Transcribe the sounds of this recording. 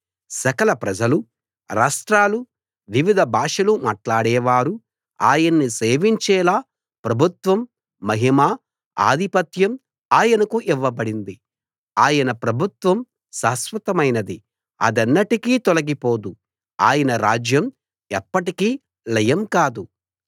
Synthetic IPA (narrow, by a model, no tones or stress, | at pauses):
sɐkɐlɐpɾɐd͡ʒɐlu | ɾaːʂʈɾaːlu | ʋiʋid̪ʱɐbʱaːʂɐlumaːʈlaːɽɛːʋaːɾu | aːjɐnːiseːʋiɲt͡ʃɛːlaː | pɾɐbʱut̪ʋɐmː | ɐɦimaː | a̰ːd̪ʱipɐt̪jɐm | aːjɐnɐkuʔiʋːɐbɐɽind̪i | aːjɐnɐpɾɐbʱut̪ʋɐm | saːsʋɐt̪ɐmɐjnɐd̪i | ɐ̰d̪ɐnːɐʈikiːt̪ɔlɐɡipoːd̪u | a̰ːjɐnɐɾaːd͡ʒjɐm | ɛpːɐʈikiː | lɐjɐmkaːd̪u